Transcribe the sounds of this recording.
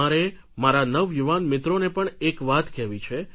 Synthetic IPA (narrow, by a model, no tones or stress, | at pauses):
aɾe | maɾanəʋjuʋanmɪt̪ɾonepəɳekʋat̪kɛʋit͡ʃʰe